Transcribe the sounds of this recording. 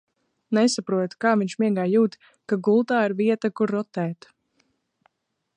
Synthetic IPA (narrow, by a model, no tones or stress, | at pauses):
nɛsapɾuɔt̪kaːviɲʲʃmiɛɡaːjuːt̪ | kaɡulˠt̪aːiɾviɛt̪akuɾːɔt̪ɛːt̪